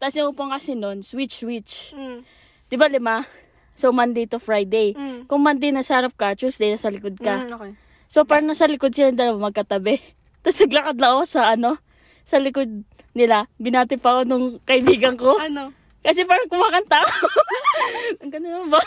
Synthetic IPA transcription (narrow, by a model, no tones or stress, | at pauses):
t̪ɐsjɐʊpoŋkɐsɪno̞nswɪt͡ʃswɪt͡ʃ | d̪̥ɪbalɪma | somand̪ejt̪ofɹajd̪ejkʊŋmand̪ejnɐsaːɾap̚kɐt͡ʃusd̪ejnɐsɐlɪkod̪̚kɐo | so̞paːɾɐŋnɐsɐlɪkod̪̚sɪlaŋd̪ɐlɐwamɐɡ̚kɐt̪ɐbɛ | t̪ɐsɐɡlɐkod̪lɐʔosɐʔɐno̞ | sɐlɪkod̪̚ | nɪlabɪnaːt̪ɪpɐkonʊŋkɐʔɪbiːɡɐŋko̞n | kɐs̬ɛpaːɾɐŋkʊwaːkɐnt̪ako | ɐŋɡɐnɪnɐnba